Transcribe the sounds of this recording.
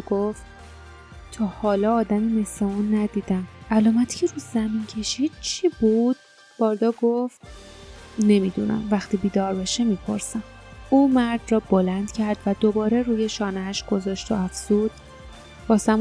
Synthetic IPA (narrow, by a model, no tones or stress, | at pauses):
ɡoft̪ | t̪ʰɒːhɒːlɒːd̪æmime̞sleunːæd̪iːd̪æmælɒːmæt̪ʰcʰeɾuːzæmincʰe̞ʃid̪̥̚t͡ʃʰiːbud̪̥̚ | b̥ɒːɾd̪ɒːɡoft̪ | ne̞mid̪unæ̰mvæxt̪iːbiːd̪ɒːɾbeʃemiːpʰo̞̰ɾsæmuːmæɾd̪rɒːbo̞lænd̪̥cʰæɾd̪̥væd̪o̞bɒːɾeɾuːjeʃɒːneæʃɡ̥o̞zɒːʃt̪oæfz̥uːd̪̥ | b̥ɒːsæm